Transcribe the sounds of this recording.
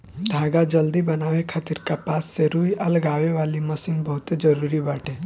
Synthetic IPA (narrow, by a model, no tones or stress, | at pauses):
d̪ʱaːɡad͡ʒɐld̪ibɐnaːʋekʰaːt̪iɾkapaːsːeɾuːiɐlɡaːʋeʋaːlimɐsinbɐɦʊt̪ed͡ʒɐɾuːɾibaːʈʰẽː